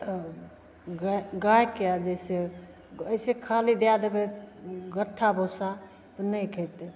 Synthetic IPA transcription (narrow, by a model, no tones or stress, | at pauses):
t̪ə | ɡaɡajkead͡ʒese | əjsekʰalid̪ejad̪ebeɡəʈʰːabʱosa | t̪ɔnəjkʰət̪e